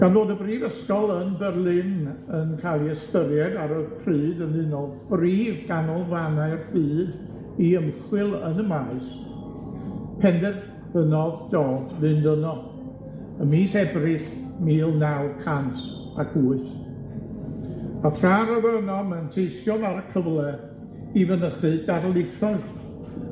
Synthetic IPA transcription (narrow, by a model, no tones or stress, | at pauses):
ɡ̥anðoːdəbriːvəskɔlˠənbɛrlˠɪnənkʰalˠiɛstəɾjɛdaɾɔðkʰrɨːdənɨnɔðb̥riːvɡanɔlˠvanaɨrfɨːð | iəmχwɪlˠənəmaːs | pʰɛndɛd | b̥ənɔðd̥ɔːdvɨndənɔ | əmiːsɛbrɪɬ | miːlˠnawkʰantʰ | akʰuːɨθ | aθraːɾɔðɛnɔmantʰejsjɔvaɾəkʰəvlˠɛ | ivənəθɨdadlˠɪfʰrɔɨs